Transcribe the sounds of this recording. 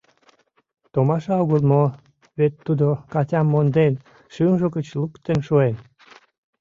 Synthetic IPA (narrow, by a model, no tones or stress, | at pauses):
t̪omɑʃɑɣulmo | βet̪ːud̪okɑtʲɑmːond̪en | ʃynʒokət͡ɕlukt̪enʃuen